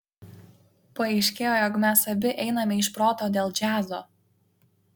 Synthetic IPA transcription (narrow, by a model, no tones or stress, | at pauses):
pɐɛɪʃʲkʲeːjoːjoːkmʲæsɐbʲɪʔɛɪnɐmʲɛɪʃpɾoːt̪oːd̪ʲeːlˠd͡ʒʲæːzo̰ː